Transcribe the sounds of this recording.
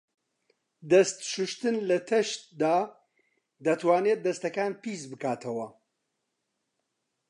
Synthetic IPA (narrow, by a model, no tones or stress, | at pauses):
d̪ɐst̪ʃɨʃt̪ɨnlɐt̪ʰɐʃt̪d̪aː | d̪ɐt̪waːnet̪̚d̪ɐst̪ɐkaːnpisbɨkaːt̪ʰɐwɐ